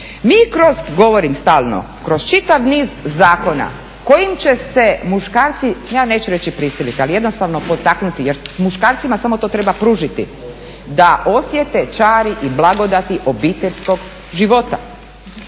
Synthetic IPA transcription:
miːkɾo̞zɡo̞ʋo̞ɾimst̪aːlˠno̞̰ | kɾo̞z̥t͡ʃit̪aʋniːzːaːko̞na̰ | ko̞jimt͡ɕe̞se̞muʃkaːɾt̪sijaːne̞ːt͡ʃuɾe̞t͡ɕipɾisilit̪ialije̞d̪nost̪aʋno̞po̞t̪aknut̪ijeɾmuʃkaːɾt̪simasamo̞t̪ot̪ɾe̞bapɾuːʒit̪ḭ | d̪aʔo̞sje̞t̪et͡ʃaːɾiʔiblˠaɡo̞d̪at̪iʔo̞biːt̪eʎʲsko̞ɡ | ʒiʋo̞t̪a̰

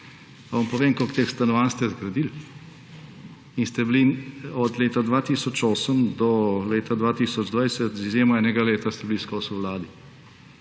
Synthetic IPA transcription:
paʋampɔʋeːmkokt̪eːxst̪ɐnɔʋanst̪ɛzɡɾɐd̪il | inst̪ɛbliɔd̪leːt̪ad̪ʋaːt̪iːsɔt͡ʃoːsəmd̪ɔleːt̪ad̪ʋaːt̪iːsɔd͡ʒd̪ʋajsət̪zizjeːmɔɛːnɛɡaleːt̪ast̪ɛbiliskɔːsuʋlaːd̪i

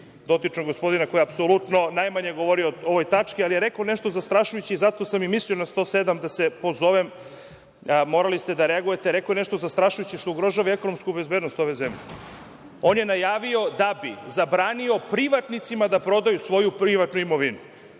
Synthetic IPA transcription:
d̪o̞t̪it͡ʂnoɡo̞spo̞d̪inakojeapsolˠut̪no̞najmaɲeɡo̞ʋo̞ɾiooʋo̞jt̪at͡ʂkialijeɾekaneʃt̪o̞zast̪ɾaʃujut͡ɕiːzat̪o̞samimislio̞nast̪o̞sed̪amd̪asepo̞zo̞ʋem | mo̞ɾalist̪e̞d̪aɾeaɡujet̪eɾekoneʃt̪ozast̪ɾaʃujut͡ɕiʃt̪ouɡɾo̞ʒaʋaeko̞no̞mskube̞zbed̪no̞st̪o̞ʋe̞zemʎe | o̞ːnjenajaːʋio̞d̪abizabɾaːnio̞pɾiʋat̪nit̪simad̪apɾo̞d̪ajusʋo̞jupɾiʋat̪nuimo̞ʋinu

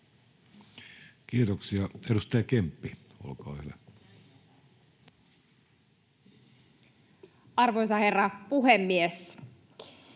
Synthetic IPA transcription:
kiːt̪oksiɑedust̪ɑjɑkempːio̰lkɑ̰ːhylæ | ɑrʋojsɑherːɑpuɦemːies

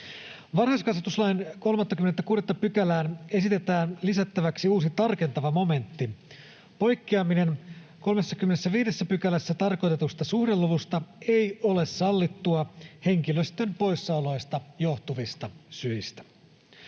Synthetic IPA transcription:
ʋɑrhɑskɑsʋɑt̪uslɑjnko̞lmɑnt̪ːɑkymet̪ːækuːɾet̪ːɑpykælæːne̞sit̪e̞t̪æːnlisæt̪ːæʋæksiuːsit̪ɑrke̞nt̪ɑʋɑmo̞me̞nt̪ːi | po̞jkːiɑmine̞nko̞lme̞sːɑkymːenesːæʋiːde̞sːæpykælæsːæt̪ɑrko̞jt̪e̞t̪ust̪ɑsuhdelːuʋust̪ɑe̞jo̞le̞ssɑlːit̪ːuɑhe̞ŋk̟iløst̪e̞mpo̞jsːɑulo̞jst̪ɑjo̞ht̪uʋist̪ɑsyist̪æ̥

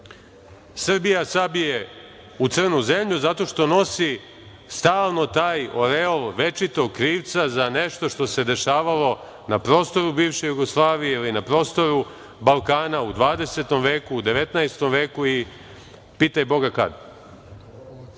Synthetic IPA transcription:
sr̩bijasabije̞ | ut̪sɨr̩nuze̞mʎuzat̪o̞ʃt̪o̞no̞si | st̪aːlˠno̞t̪aːjo̞ɾeolˠʋe̞t͡ʃit̪o̞ɡ̚kɾiːʋt̪sazane̞ʃt̪o̞ʃt̪o̞se̞d̪e̞ʃaːʋalo̞ | napɾo̞ːst̪o̞ɾubiːʋʃejuɡoslˠaːʋijeilinapɾo̞ːst̪o̞ɾu | balˠkaːnaud̪ʋaːd̪e̞se̞t̪o̞mʋe̞ːkuːd̪e̞ʋe̞t̪naest̪o̞mʋe̞ːkui | piːt̪ajbo̞ɡaka̰d̪

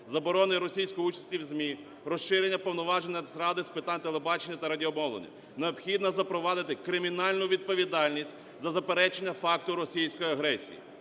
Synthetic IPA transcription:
zɐbɔɾɔnɪɾɔsʲijsʲkɔjut͡ʃɐ̥sʲtʲiwzʲmʲi | ɾɔʃʃɪɾʲenʲːɐpɔwnɔʋɑʒenʲːɐd̪sɾɑd̪ɪspɪt̪anʲt̪elˠebɑt͡ʃenʲːɐt̪ɐɾɐdʲiɔmɔwlˠɔ̰nʲḭ | neɔbxʲid̪nɐzɐpɾɔʋɑd̪ɪt̪ɪkɾɪmʲinɑlʲnʊʋʲid̪̚pɔʋʲid̪ɑlʲnʲisʲtʲ | zɐzɐpeɾɛt͡ʃenʲːɐfɑk̚t̪ʊɾɔsʲijsʲkɔjiɐɦɾɛsʲḭjḭ

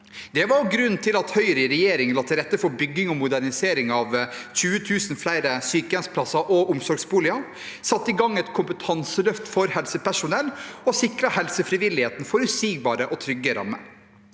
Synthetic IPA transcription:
d̪ɛʋɑɾɡɾʉnːt̪ʰɪlɑt̪hœʏɾəɪɾɛjeːɾɪŋlɑːt̪ʰɪɾɛt̪ːəfɔbʏɡːɪŋɔmʊd̪æɾnɪseːɾɪŋɑʋçʉːət̪ʰʉːsn̩flæɪɾəsyːkəɛnspʰlɑsɑʔɔʔʊmsɔɾɡsbuːlɪɑ | sɑt̪ːɪɡɑŋːɛt̪kʰʊmpət̪ʰɑnsəlœft̪fɔɾhɛlsəpæʂʊnɛlːɔsɪkɾɑhɛlsəfɾɪʋɪlːɪheːt̪nfɔɾʉsiːɡ̚bɑːɾəʔɔt̪ʰɾʏɡːəɾɑ̰mːə̰

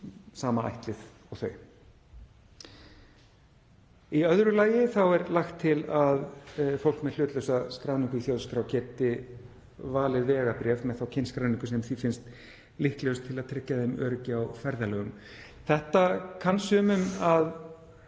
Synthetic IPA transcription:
saːmaa̰jht̪lɪð | ɔɣθœɥ | iœðɾʏlaːjɪθawɛɾlaxt̪ʰːɪlaðfowl̥kmɛðl̥ʏːt̪lœwsaskɾawniŋkʏiθjoːwðskɾawcɛːt̪ɪ | vaːlɪðvɛːɻapɾɛvmɛðθawcʰɪnskɾawniŋkʏsɛmθifɪnst̪ | lɪhklœwst̪ʰːɪlaðt̪ʰɾɪhcːaðemœːɾʏcɪawfɛɾðalɛːɣʏm | θɛht̪akʰansʏːmʏmað

